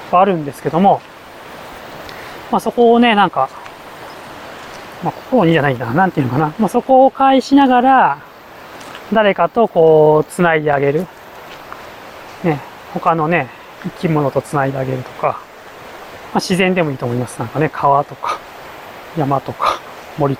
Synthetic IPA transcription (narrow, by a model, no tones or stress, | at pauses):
βaːɾɯ̟̃nd̪e̞sɨ̥ke̞d̪o̞mo̞ | maso̞ko̞ːne̞nãŋka | mako̞̥koɾoɲid͡ʑanainanãnt̪eiɯ̟nokanamaso̞ko̞ːkaiɕinaɡaɾa | d̪aɾe̞kat̪o̞ko̞ːt͡sɨnaid̪e̞aɡe̞ɾɯ̟ | ne̞ | ho̞kano̞ne̞ | ikʲimo̞no̞t̪o̞t͡sɨnaid̪e̞aɡe̞ɾɯ̟t̪o̞̥ka | maɕizẽ̞nd̪e̞mo̞iːt̪omo̞imasɨnãŋkane̞kʰaβat̪o̞kḁ | jamat̪o̞kḁ | mo̞ɾʲi